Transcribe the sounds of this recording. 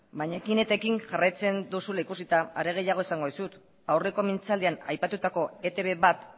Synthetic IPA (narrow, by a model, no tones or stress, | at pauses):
baɲakine̞t̪e̞kiŋʝarajt͡se̞nd̪usulaikusit̪aa̰ɾe̞ɣ̞e̞jaɣ̞o̞isaŋɡo̞ðisut̪ | awre̞ko̞mint͡sald̪eana̰jpat̪ut̪ako̞e̞t̪e̞βe̞βat̪